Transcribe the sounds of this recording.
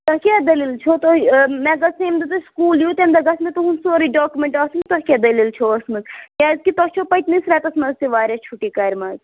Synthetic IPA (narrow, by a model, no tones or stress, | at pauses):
t̪ɐkʲad̪ɐlilt͡ʃʰot̪omɛ̃ːɡɐseːmd̪ɐt̪uskuːljut̪emd̪ɐɡɐsmẽt̪uɦunsoːɾiɖoːkumẽɳʈɐːsnt̪ɐɦkʲad̪ɐlilt͡ʃʰoːɐsmɐnkʲaːzkit̪ɐt͡ʃʰoːpɐjt̪nisɾɛːt̪ɐsmɐzsiʋaːɾʲat͡ʃʰuʈːiːkɐːɾʲmɐːz